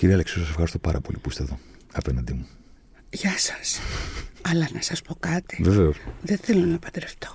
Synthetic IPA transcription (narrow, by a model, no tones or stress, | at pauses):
ciɾiɐleksiosɐsexɐɾist̪opɐɾʔɐ̰po̞̰lipust̪eðo̞ | ɐpenɐnd̪imu | ʝɐsɐ̥s | ɐlɐnɐsɐspo̞kɐt̪i̥veveosðeθelo̞nɐpɐd̪ɾeft̪o